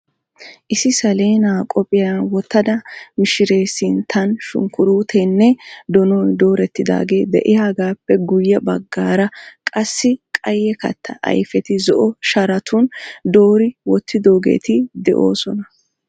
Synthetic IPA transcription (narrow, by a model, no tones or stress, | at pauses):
ʔɪsɪsɐle̞ːnaːkʼɔpʼɪjanwɔt̪ːɐd̪ɐmɪʃɪɾe̞ːsɪnt̪ʰɐnʃʊ̰ŋkʊɾuːt̪ʰɛnːɛd̪ɔnɔjd̪o̞ːɾɛt̪ːɪd̪a̰ːɡe̞ːd̪ɛʔɪjaːɡaːpːɛɡʊjːɐbɐɡːaːɾɐkʼɐsːɪkʼɐjːɛkɐ̰t̪ːɐʔɐ̰jfɛt̪ɪzɔʔɔʃɐɾɐt̪ʰʊnd̪o̞ːɾɪwɔt̪ʰːɪd̪o̞ːɡe̞̰ːt̪ɪd̪ɛ̰ʔo̞̰ːsɔnɐ